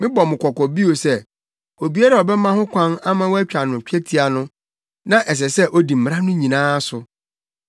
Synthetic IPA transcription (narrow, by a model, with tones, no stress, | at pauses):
mɪ̃˦bɔ˨mɪ̃˨kʰɔ˨kɔ˨bi˦o˨sɛ˦ | o˨bi˨˦a˦ɾa˦˨ɔ˨bɛ˦mã˦hʊ̃˦kʷʰã˦na˦mã˦wɔ˦æ˦t͡ɕᶣa˨nʊ̃˨t͡ɕᶣʰɛ˦tʰi˨a˨nʊ̃˦ | nã˦ʔɛ˨s̬ɛ˨sɛ˦ʔo˦di˨m̩˨m˨ɾa˦nʊ̃˦ɲĩ˨nãː˦sʊ˨